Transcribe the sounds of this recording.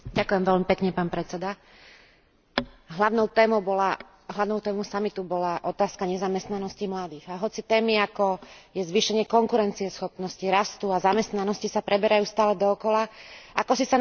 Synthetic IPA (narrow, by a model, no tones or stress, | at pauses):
ɟakujɛmʋɛlmipɛkɲɛpaːnpɾɛt͡sɛd̪a | ɦlaʊnɔʊt̪ɛːmɔʊbɔla | ɦlaʊnɔʊt̪ɛːmɔʊsamit̪ubɔlaʔɔt̪aːskaɲɛzamɛst̪nanɔscimlad̪iːɣaɦɔt͡sit̪ɛːmiakɔjɛzʋiːʃɛɲɪɛkɔŋkuɾɛnt͡siɛsxɔpnɔsciɾast̪uazamɛst̪nanɔscisapɾɛbɛɾajuːst̪aːlɛd̪ɔːkɔlaakɔsisan